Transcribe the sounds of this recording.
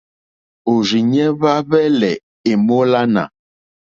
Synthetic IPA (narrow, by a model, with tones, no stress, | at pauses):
o˨ɾi˨ɲɛ˦βa˦βɛ˦lɛ˨ | e˨mo˦la˦na̰˨